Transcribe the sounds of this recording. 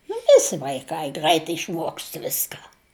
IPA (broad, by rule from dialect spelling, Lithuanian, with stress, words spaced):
nʊ ˈʋʲɪsʲɪ ʋɐɪˈkɐɪ ˈɡrəɪt ɪʃˈmuɔkst ˈʋʲɪskɐ